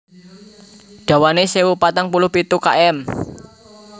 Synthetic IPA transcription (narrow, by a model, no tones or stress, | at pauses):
ɖ̥ä̤wanesewupat̪aŋpulʊhpit̪uka̰ʔɛm